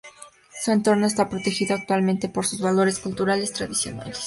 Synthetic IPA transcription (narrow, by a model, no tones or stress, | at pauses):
sue̞nt̪o̞ɾno̞es̬t̪apɾo̞t̪e̞xiðoak̚t̪walmẽnt̪e̞po̞ɾsuzβalo̞ɾeskult̪uɾale̞st̪ɾaðisjo̞̰na̰les